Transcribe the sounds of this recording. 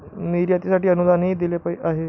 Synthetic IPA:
niɾjat̪isaʈiːənud̪anɦiːd̪ilepaiʔaɦe

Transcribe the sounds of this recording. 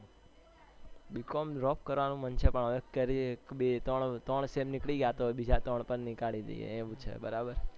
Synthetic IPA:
bikomɾɔp̚kəɾʋanũmənt͡ʃʰepəɳəʋekkəɾikbet̪əɳt̪əɳsemnɪkɭiɡjat̪obid͡ʒat̪əɳ̃pənnɪkaɭid̪ḛijḛẽʋũt͡ʃʰḛbəɾabəɾ

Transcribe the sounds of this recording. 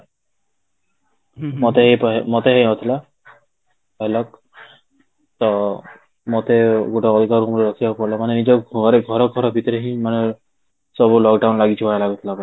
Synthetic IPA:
mɔt̪eɦejpɔmɔt̪eɦejot̪ʰila | ɦelɔk | t̪ɔ | mot̪eɡoʈaɔlɡaɾumɾeɾɔkʰibapɔɾlamanenid͡ʒɔɔɾeɡʱɔɾɔɡʱɔɾɔbʱit̪ɔɾeɦĩmane | sɔbulɔkɖawnlaɡit͡ʃʰibaelaɡut̪ʰilapɔ

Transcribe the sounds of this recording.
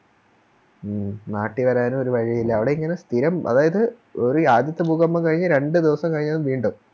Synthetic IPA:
naːʈːiʋɐɾaːnuo̞ɾuʋɐɻijilːɐːʋiɽe̞iŋːɐnest̪ʰiɾɐmʔɐ̰ðaːjɐðɨ | o̞ɾuaːd̪jɐt̪ːɐbʱuːɣɐmːɐmkɐɻiɲːɨɾe̞ɳɖɨd̪iʋɐsɐmkɐɻiɲːaːʋiːɳɖum

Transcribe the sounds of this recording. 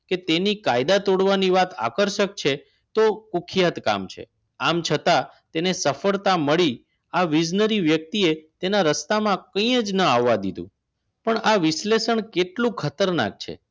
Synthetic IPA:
ket̪enikajd̪at̪oɽʋaniʋat̪a̰kəɾʃək̚t͡ʃʰe | t̪okukʰijat̪ka̰mt͡ʃʰḛ | amt͡ʃʰət̪at̪enesəfəɾt̪aməɭi | aʋid͡ʒnəɾiʋjək̚t̪iet̪enaɾəst̪amãkəĩəd͡ʒnəaʋːad̪id̪ṵ̃ | pəɳaʋɪʃleʃəɳkeʈlũkʰət̪əɾna̰k̚t͡ʃʰḛ

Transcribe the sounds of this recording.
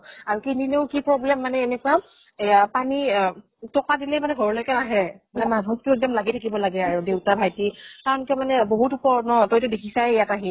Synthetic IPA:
aɹkinineʊkipɹɔblɛmːanɛenɛkʊa | apani | tɔkadilɛmanɛɡʱɔɹɔlojkɛnaɦɛmanɛmanʱɔtʊɛk̚dɔmlaɡitʰakibɔlaɡɛaɹudewtabʱajtikaɹɔnkɛmanɛboɦutupɔɹnɔtɔjitʊdekʰisajjataɦi

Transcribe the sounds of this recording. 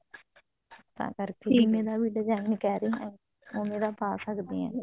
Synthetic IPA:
t̪ã̰ːkəɾkeːmẽːd̪aːʋiːɖəd͡ʒaːinkɛːɾeːɦɛ̃ː | oːmeːd̪aːpaːsəkd̪eːɛ̰̃ː

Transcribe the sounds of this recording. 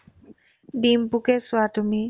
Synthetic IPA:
ɖimpukesuatumi

